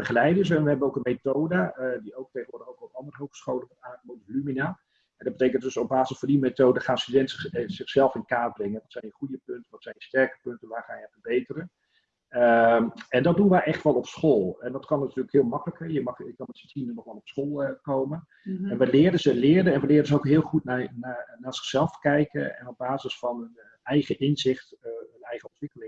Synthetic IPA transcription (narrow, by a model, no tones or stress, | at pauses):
b̥əχəlɛjdəsɛnʋəɦɛbənowkənmetowdədiowk̚teχəʋʊɹrdəχowkɔpɑndərəɦowχsχowlənʋɔtaːkəmoːdəlymina | ɛndɔd̚bəteːkəntdɵsob̚baːzəsfɔndimetowdəχaːnstydɛntz̥ɪχsɛlˠfɪndəkaːbrɪŋənʋɔtsɛjnəχujəpɵntənʋɔtsɛjnəstɛɹkə̥pɵntənʋaːrχaːnjəfərbejtərən | əɛndɔt̚dunʋəʔɛχtʋɔlˠɔpsχoːlˠɛndɔtkɑnːatyːləkhɪːlˠmɑkələkɛjəmɑχɪkkɑnmɛtsətinəməχʋɔlˠɔpsχoːlˠəkowmən | ɛnʋəlɪːərdəzəlɪːərdəɛnʋəlɪːɾdənzəowkɦɪːlˠχutnananaːz̥ɪ̥χsɛlˠfkɛjkə̰ɛ̰nɔb̚baːzəsfɑnøn | ɛjχəʔɪnzɪχtənɛjχəɔntʋɪkəlɪŋ